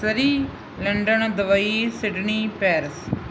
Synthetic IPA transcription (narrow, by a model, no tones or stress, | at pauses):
sɐɾi | lɐɳɖɐnɐd̪ɐʋɐjisɪɖnipeːɾɪs